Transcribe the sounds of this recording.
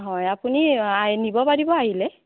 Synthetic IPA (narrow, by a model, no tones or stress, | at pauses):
ɦɔjapuniajnibɔpaɹibɔaɦilɛ